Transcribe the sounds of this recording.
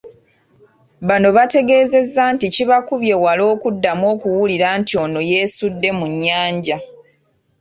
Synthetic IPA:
βano̞βate̞ɡe̞ːze̞zːanticiβakuβje̞walo̞ːkudːamwo̞ːkuwuliɾaːntio̞no̞je̞ːsudːe̞muɲːaːɲɟa

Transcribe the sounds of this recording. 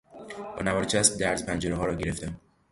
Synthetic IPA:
b̥ɒ̰ːnævɒːɾet͡ʃʰæsb̚d̪æɾzpʰænd͡ʒeɾeɒːɾɒːɟe̞ɾeft̪æm

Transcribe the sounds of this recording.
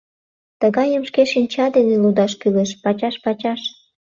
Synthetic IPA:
t̪əɣɑjəmʃkeʃinʲt͡ɕɑd̪enelud̪ɑʃkyleʃpɑt͡ɕɑʃpɑt͡ɕɑʃ

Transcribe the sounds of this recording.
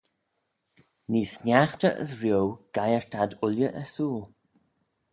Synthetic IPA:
niːsnjaxtəʔə̰sɹjowɡ̥ajəɹt̪ʰad̪ʊljəʔɛɹsuːlˠ

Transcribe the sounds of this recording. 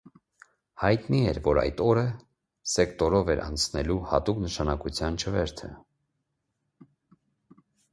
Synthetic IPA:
hɑjt̪niɛɾvɔɾɑ̰jt̪ɔɾə | sɛkt̪ɔɾɔvɛɾɑ̰nt͡sʰnɛluhɑ̰t̪uknəʃɑnɑkut͡sʰjɑnt͡ʃʰəvɛɾt̪ʰə̰

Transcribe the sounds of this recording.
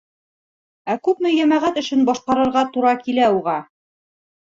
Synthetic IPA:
ækʉpmɘjæmæʁæt̪ɘ̆ʃɘnbɒʃqɑɾɤ̆ɾʁɑt̪uɾɑkilæuʁɑ

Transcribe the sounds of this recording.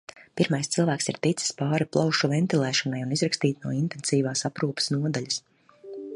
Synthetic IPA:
piɾmajst̪silˠvæːksḭɾt̪it̪si̥spaːɾiplˠawʃuvɛnt̪ilˠɛːʃɔnajunizɾakst̪iːt̪nuɔint̪ɛnsiːvaːsapɾuːpə̥snuɔd̪aʎʲɐs

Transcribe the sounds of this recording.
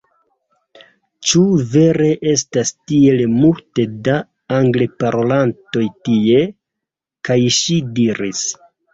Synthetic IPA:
t͡ʃuve̞ɾe̞ʔe̞s̬tastie̞lmulte̞daː | ŋɡle̞paɾo̞lanto̞jtie̞ | kajʃidiɾis

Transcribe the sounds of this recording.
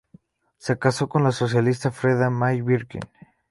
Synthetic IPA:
sekaso̞ko̞nlaso̞s̬jalist̪afɾeðamajβiɾkḭn

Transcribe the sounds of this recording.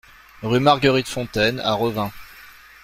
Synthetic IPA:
ʁymaʁɡəʁit̪fɔ̃t̪ɛna̰ʁəvɛ̃

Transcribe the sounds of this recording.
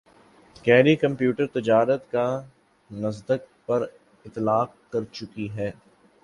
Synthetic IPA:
kɛːɾikɐ̃mpjuːʈəɾt̪ɪd͡ʒaːɾət̪ka | nɐzd̪ək̚ | pɐɾ | ɪt̪ːlaːqkɐɾt͡ʃʊkiɦɛː

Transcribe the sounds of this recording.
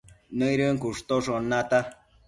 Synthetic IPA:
nəiɾəŋkuʂt̪oʂonːat̪a

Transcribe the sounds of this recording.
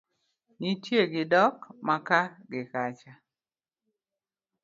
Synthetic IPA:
nitjeɡɪdɔkmakaɡɪkat͡ʃa

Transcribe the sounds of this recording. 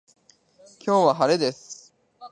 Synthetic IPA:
kʲʰo̞ːβaɦaɾe̞d̪e̞sɨ̥

